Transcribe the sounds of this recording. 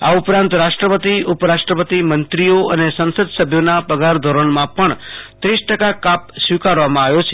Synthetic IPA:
a̰upɾãnt̪ɾaʃʈɾəpət̪iupɾaʃʈɾəpət̪imənt̪ɾijoənesə̃nsəd̪səbʱjonapəɡaɾd̪ʱoɾəɳmãpəɳt̪ɾisʈəkakap̚sʋikaɾʋamãaʋjot͡ʃʰe

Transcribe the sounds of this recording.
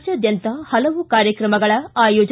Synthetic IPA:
t͡ʃɐd̪jɐnt̪ɐhɐlɐʋukaːɾjɐkɾɐmɐɡɐɭɐaːjoːd͡ʒ

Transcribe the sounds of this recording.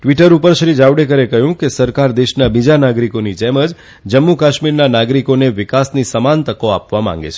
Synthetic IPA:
ʈʋiʈəɾupəɾʃɾid͡ʒawɽekəɾekəɦjũkesəɾkaɾd̪eʃnabid͡ʒanaɡɾikonid͡ʒɛməd͡ʒ | d͡ʒəmːukaʃmiɾnanaɡɾikoneʋɪkasnisəmant̪əkoapʋamã̰ŋ̆ɡḛt͡ʃʰe

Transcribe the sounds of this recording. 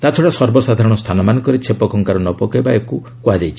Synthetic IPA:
t̪at͡ʃʰɔɽasɔɾbɔsad̪ʱaɾɔɽ̃ɔst̪ʰanɔmanɔŋkɔɾit͡ʃʰepɔkʰɔŋkaɾɔnɔpɔkebaeku | kuad͡ʒajt͡ʃʰi̥

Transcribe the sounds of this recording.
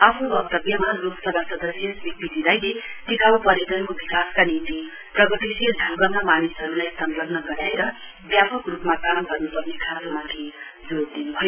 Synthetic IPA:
apʰubʌp̚t̪ʌbjʌmɦloksʌbʱasʌd̪ʌsjʌsbik̚t̪id͡zid̪ajlet̪ikawpʌɾed̪ʌnkobikaskanit̪i | prʌɡʌt̪isijʌd͡zʱʌ̃ŋɡʌmamanisɦʌɾulajsʌnlʌɡnʌɡʌɾaeɾʌ | bjapʌkrupmakamɡʌrnupʌɡnikʰasomat̪ʰe | d͡zoɾd̪inubʱʌjo

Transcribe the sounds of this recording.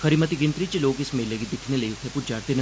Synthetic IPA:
kʰəɾimət̪iɡɪnt̪ɾit͡ʃeloːkɪsmelːəɡid̪ɪkʰneləiʊt̪ʰepud͡ʒaɾt̪en

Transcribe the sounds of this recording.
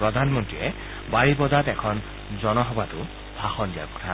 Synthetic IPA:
pɹɔd̪ʱanmɔntɹiɛ | baɹibɔdatɛkʰɔn | zɔnɔɦɔbatʊ | b̥ʱaxɔndija̰kɔ̥tʰa

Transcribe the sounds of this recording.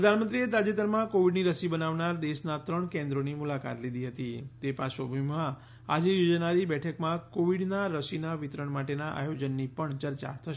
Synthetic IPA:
ɾəd̪ʱanmənt̪ɾiet̪ad͡ʒet̪əɾmãkoʋiɖniɾəsibənaʋnaɾd̪eʃnat̪ɾəɳkẽnd̪ɾonimulaka̰t̪lid̪ʱiɦət̪it̪epaʃobʱəmã | ad͡ʒejod͡ʒnaɾibɛʈʰəkmãkoʋiɽnaɾəsinaʋit̪ɾəɳmaʈenaʔa̰jod͡ʒənːipəɳt͡ʃəɾt͡ʃa̰t̪ʰəʃe

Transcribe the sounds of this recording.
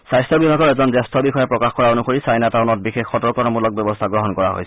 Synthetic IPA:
sajstɔbibʱaɡɔɹɛzɔnzɛstʰɔbixɔjɔpɹɔkaxkɔɹaonukoɹisajnatanɔt̚bixexːɔtɔɹkɔnamulɔk̚bjɔbɔstʰaɡɹɔɦɔnkɔɹaɦo̰js

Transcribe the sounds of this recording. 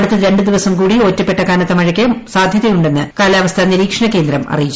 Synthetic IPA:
ɽut̪ːɐɾe̞ɳɖɨd̪iʋɐsɐmkuːɽio̞ːtːɐpːe̞ʈːɐkaːnɐt̪ːɐmɐɻɐkʲːɐsaːd̪ʱjɐðɐjuɳɖe̞nːɨkaːlaːʋɐst̪ʰɐniɾiːkʂɐɳɐke̞ːnd̪ɾɐmʔɐ̰rijit͡ɕː

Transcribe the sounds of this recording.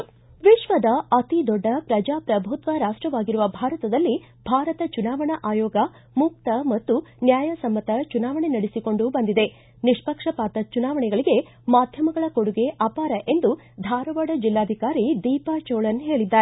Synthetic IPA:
ʋiʃʋɐd̪ɐʔɐt̪id̪ɔɖːɐpɾɐd͡ʒaːpɾɐbʱut̪ʋɐɾaːʂʈɾɐʋaːɡiɾuʋɐbʱaːɾɐt̪ɐd̪ɐlːi | bʱaːɾɐt̪ɐt͡ʃunaːʋɐɳɐʔaːjɔːɡɐ | muk̚t̪ɐmɐt̪ːunjaːjɐsɐmːɐt̪ɐt͡ʃunaːʋɐɳenɐɽesiko̞ɳɖubɐnd̪id̪e̞ | niʂpɐkʂɐpaːt̪ɐt͡ʃunaːʋɐɳɛɡɐɭiɡe̞ | maːd̪ʱjɐmɐɡɐɭɐko̞ɽuɡe̞ʔɐpaːɾɐʔe̞nd̪u | d̪ʱaːɾɐʋaɽɐd͡ʒilːaːd̪ʱikaːɾid̪iːpat͡ʃoːɭɐnɦe̞ːɭid̪ːaːɾe

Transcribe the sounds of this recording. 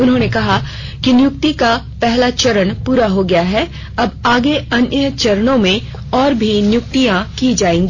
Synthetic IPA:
ʊnɦõːnekɐɦakinjʊk̚t̪ika | pɛɦlat͡ʃɐɾənpuːɾaɦoɡɐjaɦɛː | ɐbaːɡeɐnjət͡ʃɐɾnõmẽ | ɔːɾbʱinjʊk̚t̪ijãkid͡ʒaːẽːŋɡi

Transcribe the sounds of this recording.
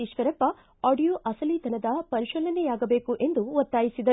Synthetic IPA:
iʃʋɐɾɐpːɐ | aːɖijoːʔɐsɐlid̪ʱɐnɐd̪ɐpɐɾiʃɐlɐnejaːɡɐbeːkuʔe̞nd̪uʋɔt̪ːaːjisid̪ɐ

